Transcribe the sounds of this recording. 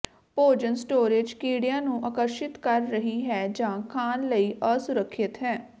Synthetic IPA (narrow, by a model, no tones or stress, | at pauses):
poːd͡ʒənsʈoːɾeːd͡ʒkiːɽijãːnũːʔaːkəɾʃɪt̪kəɾːəɦiːɦɛːd͡ʒãːkʰaːnləiːʔəːsʊɾəkʰːɪt̪ɦɛː